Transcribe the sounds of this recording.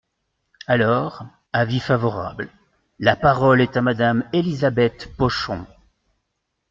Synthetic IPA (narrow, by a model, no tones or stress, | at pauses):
alɔʁ | avifavɔʁa̰bl | lapaʁɔlɛt̪amad̪amelizabɛt̪pɔʃɔ̰̃